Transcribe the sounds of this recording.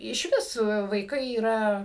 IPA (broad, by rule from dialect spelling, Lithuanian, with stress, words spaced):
ɪʃ ˈʋʲɪs ʋɐɪˈkɐɪ iːˈrɐ